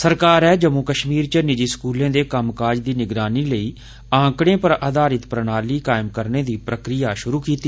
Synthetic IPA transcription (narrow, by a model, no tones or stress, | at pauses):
səɾkaːɾɦɛːd͡ʒəmõːkəʃmiːɾt͡ʃənɪd͡ʒiːskuːlẽːd̪eːkəmkaːd͡ʒd̪iːnɪɡɾaːniːləiː | ãːkɽ̃ẽːpəɾəd̪aːɾɪt̪pɾənaːliːkaːɪmkəɾneːd̪iːpɾəkɾɪjaːʃʊɾuːkiːt̪iː